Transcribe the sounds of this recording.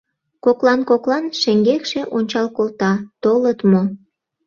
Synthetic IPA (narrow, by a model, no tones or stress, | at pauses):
koklɑnkoklɑnʃeŋɡekʃeʔonʲt͡ɕɑlkolt̪ɑt̪olət̪mo